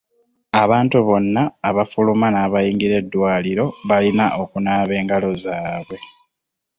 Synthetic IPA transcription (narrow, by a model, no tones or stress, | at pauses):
aβaːntuβo̞nːaːβafulumanaːβajiːŋɡiɾe̞dːwaːliɾo̞βalinaʔo̞kunaːβe̞ːŋɡalo̞zaːβwe̞